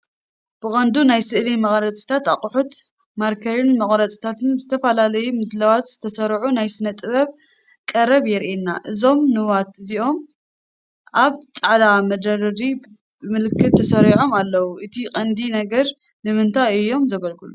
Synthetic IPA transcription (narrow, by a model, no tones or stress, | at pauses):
b̥ɨkʼɐnd̪unajsɨʔlimɐχʼɾɐt͡sʼi̥t̪ʰat̪aqʼħut̪ | maɾkʰɐɾinmɐχʼɾɐt͡sʼi̥t̪ʰat̪ʰɨnzɨt̪ʰɐfɐlalɐjumɨd̪lawat̪z̥ɨ̥t̪ʰɐsɐɾʕunajsɨnɐt̪ʼɨβɐβ | kʼɐɾɐβjɛɾʔinːaʔɨzo̞mnɨwat̪ɨziʔo̞m | ʔaβt͡sʼɐʕlamɐd̪ɐɾɐɾi | bɨmɨlɨkʰːɨt̪ʰːɐsɐɾiʕo̞malːɐwuʔɨt̪ʰikʼɐnd̪inɐɡɐɾ | nɨmɨnt̪ʰaɨjːo̞mzɐɡɐlkɨlu